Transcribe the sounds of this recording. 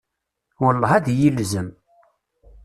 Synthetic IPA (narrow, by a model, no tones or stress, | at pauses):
wəlˤːɑæðjilzəm